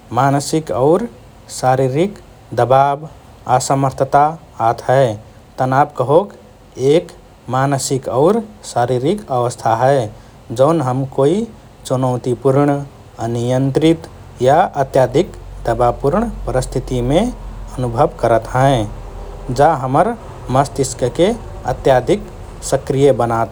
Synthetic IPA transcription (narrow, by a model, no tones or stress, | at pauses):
manəsikɔʊɾ | saɾiɾik | d̪əbab | asəməɾt̪ʰət̪aː | t̪ʰɦəe | t̪ənabkəɦok | ek | manəsikɔʊɾsaɾiɾikəʋəst̪ʰaɦəe | d͡ʒəʊnɦəmkoi | t͡ʃunəʊt̪ipuɾɳ | ənijənt̪ɾit̪ | jaʔət̪jad̪ʱikd̪əbapuɾɳpəɾist̪ʰit̪imẽənubʱəbkəɾət̪ɦə̃ẽ | d͡ʒaɦəməɾ | məst̪iskəke | ə̰t̪jad̪ʱik | səkɾijəbənat̪